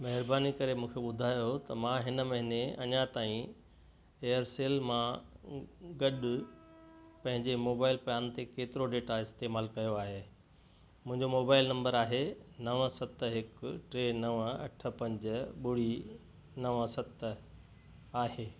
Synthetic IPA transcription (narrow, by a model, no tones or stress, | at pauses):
mɐɦɪɾbaːnikɐɾemũːkʰeɓʊd̪ʱaːjot̪ɐmãɦɪnəmɐ̃ɦɪneɐ̰ɲat̪aːĩ | eːəɾseːlmã | ɡɐɗ | pɐ̃ɦɪ̃ɲd͡ʑemoːbaːɪlpɐjaːnt̪ekeːt̪ɪɾoɖeːʈaɪst̪eːmaːlkɐjoaːɦeː | mʊ̃ɦɪ̃ɲd͡ʑomoːbaːɪlnɐ̃mbəɾaːɦenɐʋə̃sɐt̪ɦɪkʈɾeːnɐʋəɐ̰ʈʰə̆pɐ̃ɲd͡ʑɓʊɽ̤i | nɐʋə̃sɐt̪ | aːɦeː